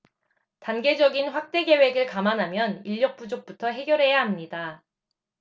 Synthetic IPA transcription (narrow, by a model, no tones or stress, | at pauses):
tanɡe̞d͡ʑʌɡinɸwak̚t͈e̞ɡe̞we̞ɡɯɭkamanɦamjʌniʎːʌk̚p͈ud͡ʑok̚p͈utʰʌɦe̞ɡjʌɾɦe̞jaɦamɲida